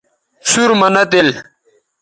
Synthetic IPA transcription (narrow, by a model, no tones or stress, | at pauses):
suɾmɐnɐt̪el